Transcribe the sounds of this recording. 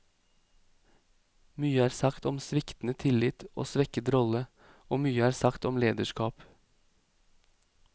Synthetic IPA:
myːəæːɾsɑkt̪ɔmsʋɪkt̪n̩ət̪ʰɪlɪt̪ʔo̰ːsʋɛkət̪ɾɔlə | oːmyːəæːɾsɑkt̪ɔmleːd̪əʃkɑːp

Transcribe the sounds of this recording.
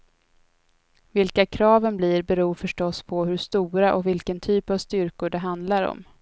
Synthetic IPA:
vɪlkakʰɾɑːvənbliɾbɛɾuːfœʂʈɔspʰɔɦɵʂt̪uːɾaʔɔ̰kvɪlkənt̪ʰyːpavst̪ʏɾkʊɖɛɦand̪laɾɔ̰m

